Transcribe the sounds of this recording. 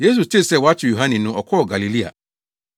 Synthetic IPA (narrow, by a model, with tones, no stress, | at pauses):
je˦s̬u˨tʰe˦˨sɛ˦˨wa˦t͡ɕʰɪ˨jo˨ɦã˦nɛ̃˨nʊ̃˦ʔɔ˨kʰɔ˦ɔ˨ɡa˨li˨li˦a̰˨